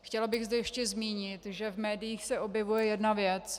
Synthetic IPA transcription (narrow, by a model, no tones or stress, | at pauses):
xcɛlabɪɣzdɛjɛʃcɛzmiːɲɪt̪ʒɛvmɛːdɪjiːxsɛʔo̞bjɛvujɛjɛdnavjɛt͡s